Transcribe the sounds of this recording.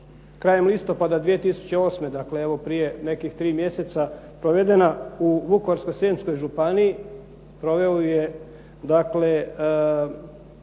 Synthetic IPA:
kɾaːje̞mlˠist̪o̞pad̪ad̪ʋije̞t̪isu̥t͡ɕeo̞ːsme̞d̪akleeʋo̞pɾije̞ne̞kixt̪ɾiːmje̞set̪sapɾoʋe̞d̪e̞nauʋukooɾsko̞seːnsko̞jʒupanii | pɾo̞ʋe̞oje | d̪akle

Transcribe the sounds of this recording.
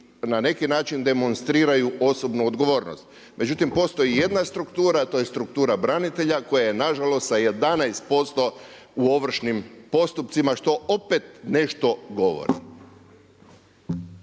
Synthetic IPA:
nane̞kinaːt͡ʃind̪e̞mo̞nst̪ɾiːɾajuʔo̞so̞bnuod̪ɡo̞ʋo̞ːɾnost̪ | mʔe̞d͡ʑut̪impo̞st̪o̞jije̞d̪nast̪ɾukt̪uːɾat̪o̞je̞st̪ɾuk̚t̪uːɾabɾanit̪e̞ʎako̞jajenaʒalo̞st̪saje̞d̪anajst̪̚po̞st̪o̞ | uo̞ʋr̩ʃnimpo̞st̪upt̪simaʃt̪o̞ʔopet̪ne̞ʃt̪o̞ɡo̞ʋo̰ɾḭ

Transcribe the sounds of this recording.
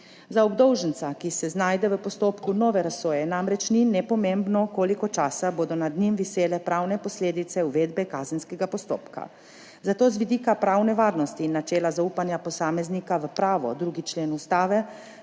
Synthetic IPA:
zaɔbd̪ɔwʒənt̪sakisɛznaːjd̪ɛʋəpɔst̪oːpkunɔːʋɛɾasoːjɛnamɾɛt͡ʃninɛpɔmembnɔkoːlikɔt͡ʃaːsaboːd̪ɔnad̪nimʋiseːlɛpɾaːwnɛpɔsleːd̪it̪sɛuʋeːd̪bɛkaːzənskɛɡapɔst̪o̰ːpka̰ | zat̪oːzʋid̪iːkapɾawnɛʋaːɾnɔst̪iːnːat͡ʃɛːlazauːpanjapɔsaːmɛznikaʋəpɾaːʋɔ̰d̪ɾuːɡit͡ʃleːnust̪aːʋɛ

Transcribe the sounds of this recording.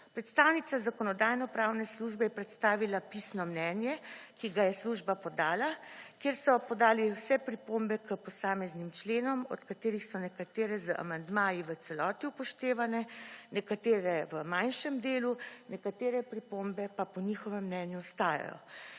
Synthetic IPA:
pɾɛt̪st̪aːwnit̪sazakɔnɔd̪aːjnɔpɾaːwnɛsluʒbɛjɛpɾɛt̪st̪aːʋilapisnɔmnɛnjɛkiɡajɛsluʒbapɔd̪aːlakeːɾsɔpɔd̪aːliwsɛpɾipombɛkəpɔsaːmɛznimt͡ʃleːnɔmɔ̰t̪kat̪eːɾixsɔnɛkat̪eːɾɛzəʔa̰mand̪maːjiʋət̪sɛlɔːt̪iupɔʃt̪eːʋanɛnɛkat̪eːɾɛʋəmajnʃɛmd̪eːlunɛkat̪eːɾɛpɾipombɛpapɔnixɔʋɛmːnɛnjuɔst̪aːja̰jɔ̰

